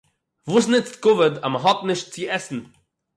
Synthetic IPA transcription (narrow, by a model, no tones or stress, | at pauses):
vuːsnɪt͡stɡʊvədaməɦɔtnɪʃt̚t͡sɪɛsn̩